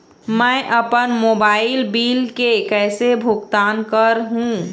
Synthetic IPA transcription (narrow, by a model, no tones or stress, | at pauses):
mɛ̃ʔəpənmoːbaːɪlbiːlkekɛːsebʱʊɡt̪aːnkəɾɦũː